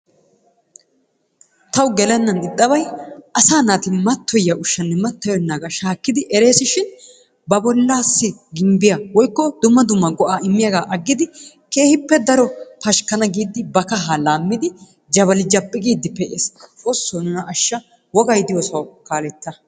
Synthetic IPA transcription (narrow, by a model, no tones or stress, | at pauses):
t̪ɐwɡɛlɛnːɐnɪt̪ʼːɐbɐjʔɐsaːnaːt̪ɪmɐt̪ːɔjːɐʔʊʃːɐnːɛmɐt̪ːɔjɔnːaːɡɐʃaːkːɪd̪ɪʔɛɾe̞ːsɪʃɪn | bɐbɔlːaːsːɪɡɪmbɪjawɔjkːɔd̪ʊmːɐd̪ʊmːɐɡɔʔaːɪmːɪjɐɡaːʔɐɡːɪd̪ɪ | ke̞ːhɪpːɛd̪ɐɾɔpɐʃkɐnɐɡiːd̪ːɪbɐkɐɦalaːmːɪd̪ɪ | d͡ʒɐβɐlɪd͡ʒɐpʼːɪkʼiːd̪ːɪpɛʔesosːonʊnɐʔɐʃːɐ | wɔɡɐjd̪ɪjoːsɐwkaːlɛt̪ːɐ